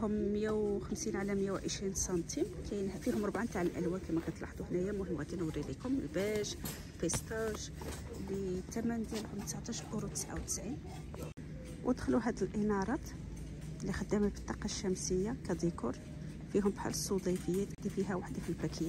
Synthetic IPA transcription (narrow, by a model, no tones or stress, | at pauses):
hʊmːəjæwxəmsinʕalæmjːæwʕə̰ʃɾinsɑnt̪ʰimkæjnhæfihʊmɾˤbʕint̪aʕəlʔæ̰lwænkæmækæjt̪ˤlɑ̰ħd̪ˤuhnæjæmːʊhəmːwʔæt̪inəwɾilikʊməlbæʒ | lpist̪ɑʒ | bət̪æmənd̪jælhʊmt̪əsʕt̪ˤɑʃʔuɾut̪ə̥sʕa̰wt̪ə̥sʕin | wʔəd̪xluɦæd̪əlʔənɑɾˤɑt̪ | lːixəd̪ːæmæbə̥t̪ˤːɑqɑʃːæmsəjːakæd̪ˤikṵɾ | fiɦʊmbħa̰ləsˤːud̪ˤifəjːæt̪d̪ifiɦæwaħd̪afilbɾækʰəjːæ